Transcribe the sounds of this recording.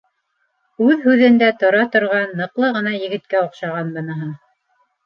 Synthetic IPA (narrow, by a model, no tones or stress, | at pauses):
ʉðhʉðɘ̆nd̪æt̪ŏɾɑt̪ŏɾʁɑnːɤ̆qlˠɤʁɤ̆nɑjɘ̆ɡɘ̆t̪̚kæŏqʃɑʁɑnbɤ̆nɤ̆ɦɤɴ